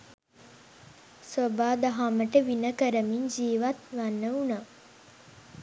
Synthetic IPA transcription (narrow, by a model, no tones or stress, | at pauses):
sobaːd̪aɦaməʈəʋinəkəɾəmiɲd͡ʒiːʋat̪ʋanːəuna